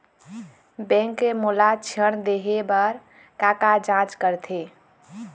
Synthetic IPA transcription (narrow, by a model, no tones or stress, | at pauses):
bɛ̃ŋkːemolat͡ʃʰəɽ̃d̪eɦebəɾ | kakad͡ʒãt͡ʃkəɾt̪ʰe